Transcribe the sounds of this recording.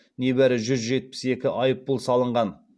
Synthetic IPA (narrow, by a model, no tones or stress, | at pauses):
ne̞bæɾɪʒʏzʒe̞t̪̚pɪ̥se̞kʲɪʔɑjəp̚ːʊlˠsɑlˠəɴʁɑn